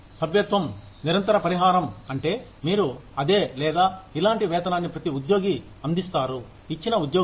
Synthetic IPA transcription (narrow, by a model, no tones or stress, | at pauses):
sɐbjɐt̪ʋɐm | niɾɐnt̪ɐɾɐpɐɾiɦaːɾɐmɐɳʈe̞ːmiːɾuɐd̪eːlɛːd̪aːilaːɳʈiʋɛːt̪ɐnaːnːipɾɐt̪iud̪jo̞ːɡi | ɐnd̪ist̪aːɾu | it͡ʃːinɐud̪joː